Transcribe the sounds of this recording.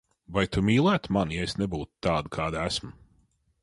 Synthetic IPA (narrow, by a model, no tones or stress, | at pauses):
vajt̪umʲiːlˠæːt̪manjɛjsnɛbuːt̪t̪ːaːd̪kʰaːd̪æsm